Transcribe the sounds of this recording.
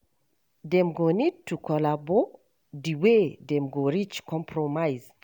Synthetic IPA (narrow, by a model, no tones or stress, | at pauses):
dɛ̃mɡonid̚tʰukʰɔlabɔ | diwedɛ̃mɡoɹit͡ʃkʰɔ̃mpʰɹɔmaɪz